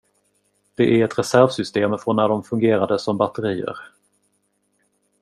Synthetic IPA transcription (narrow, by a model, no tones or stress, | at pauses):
d̪̥ɛʔæɾɛt̪ɾɛsæɾvsʏst̪eːmfɾɔnːæɖɔmfɵŋɡeːɾad̪əsɔmbat̪əɾiːə̰ɾ